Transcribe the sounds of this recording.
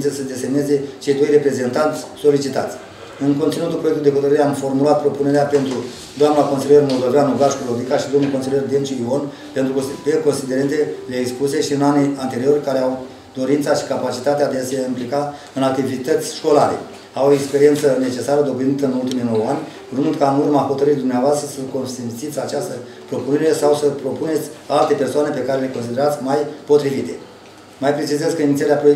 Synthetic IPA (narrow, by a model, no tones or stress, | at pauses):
nt̪sesəd̪e̞se̞mneze̞t͡ʃe̞jd̪o̞jre̞pɾe̞ze̞nt̪ant̪sʲso̞lit͡ʃit̪a̰t̪sʲ | ɨŋkont̪sinut̪upɾo̞jekt̪uld̪eɦo̞t̪əɾəɾeamfo̞rmulat̪̚pɾo̞puneɾeape̞nt̪ɾu | d̪oamnako̞nsilijermo̞ld̪o̞vjanuɡaʃkolo̞d̪ikaʃid̪onulkosilijerd̪ent͡ʃuio̞n | pent̪ɾupeko̞nsid̪e̞ɾent̪eleːkspuse̞ʃiɨnaniant̪e̞ɾio̞rʲkaɾeaw | d̪o̞ɾint̪saʃi̥kapat͡ʃit̪at̪ead̪ease̞implika | ɨnak̚t̪ivit̪ət̪sʲʃko̞laɾe̞̰ | awoekspe̞ɾie̞nt̪səne̞t͡ʃe̞saɾəd̪o̞blint̪əɨnult̪imijno̞wanʲ | ɾumund̪kanumaho̞t̪əɾɨt̪̚d̪umneavoast̪ɾəsəko̞nst̪ensit̪ʲat͡ʃast̪ə | pɾo̞pune̞ɾe̞sawsəpɾo̞pune̞t̪sʲalt̪e̞pe̞rsoane̞pe̞kaɾe̞le̞ko̞nsid̪e̞ɾat̪sʲmajpo̞t̪ɾivit̪e̞ | majpɾe̞t͡ʃizezkəinit̪sʲeaɾeapɾojek